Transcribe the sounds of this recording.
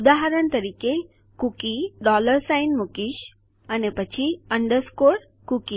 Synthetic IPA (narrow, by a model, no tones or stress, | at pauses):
ud̪aɦaɾənt̪əɾiːke | kukiɖɔləɾsajnmukiʃ | ənepət͡ɕʰiəɳɖəɾskoɽ | kuki